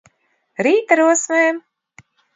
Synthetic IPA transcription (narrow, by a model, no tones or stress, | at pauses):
ɾiːt̪aɾuɔsmɛjm